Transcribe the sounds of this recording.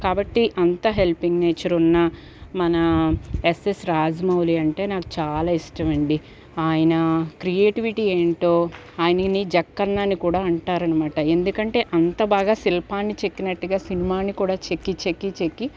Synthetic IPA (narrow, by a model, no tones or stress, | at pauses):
kaːbɐʈːiʔɐnt̪ɐɦe̞lpiŋɡneːt͡ʃɐɾunːɐ | mɐnɐesesɾaːd͡ʒɐmɐwliɐɳʈe̞ːnaːku̥t͡ʃaːlaːisʈɐʋɐɳɖi | aːjɐnɐkɾijeːʈiʋiʈiːe̞ːɳʈoː | aːjɐnɐnid͡ʒɐkːɐnːaːnːikuːɽaːuɳʈaːɾɐnɐmaːʈɐe̞nd̪ukɐɳʈe̞ːʔɐnt̪ɐbaːɡaːsilpaːnːit͡ʃe̞kːinɐʈːuɡaːsinimaːnːikuːɽaːt͡ʃekːit͡ʃekːit͡ʃekːi